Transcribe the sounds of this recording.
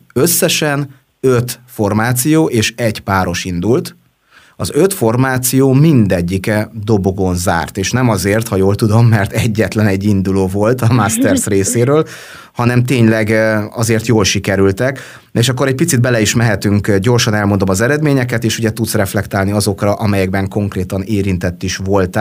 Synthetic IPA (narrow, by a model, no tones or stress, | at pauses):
ø̞sːɛʃɛn | øt̪fo̞rmaːt̪sijoːʔeːʃɛɟpaːɾo̞ʃind̪ult̪ | ɒzø̞t̪fo̞rmaːt̪sijoːmind̪ɛɟːikɛd̪o̞bo̞ɡo̞nza̰ːrt̪eːʃnɛmɒzeːrt̪hɒjoːlt̪ud̪o̞mːɛrt̪ɛɟːɛt̪lɛnɛɟːind̪uloːvo̞lt̪ɒmast̪ɛrsreːseːɾøːl | hɒnɛmt̪eːɲlɛɡɒzeːrt̪joːlʃikɛɾylt̪ɛk | eːʃɒkːo̞ɾɛc̚pit̪sid̪̚bɛlɛiʃmɛɦɛt̪yŋkɟo̞rʃɒnɛlmo̞nd̪o̞mɒzɛɾɛd̪meːɲɛkɛt̪eːʃuɟɛt̪ut̪srɛflɛkt̪aːlniɒzo̞krɒʔɒmɛjɛɡbɛŋko̞ŋkreːt̪ɒneːɾint̪ɛt̪ːiʃvo̞lt̪